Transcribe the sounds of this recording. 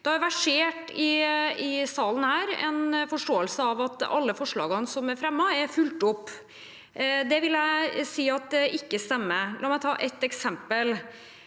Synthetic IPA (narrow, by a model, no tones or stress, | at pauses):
d̪̥ɛhɑjæʋæʂeːʈɪɪsɑːlən̩hæːɾɛ̰nfɔʂʈoːəlsəɑʋɑt̪ɑ̰lːəfɔʂɭɑ̰ːɡnsɔmæɾfɾɛmːɑɛɾfʉlt̪ʊpː | d̪ɛʋɪljæɪsiːɑt̪̚d̪ɛʔɪkːəst̪ɛmːəlʔɑːmæɪt̪ʰɑːʔɛt̪ːɛksɛmpəl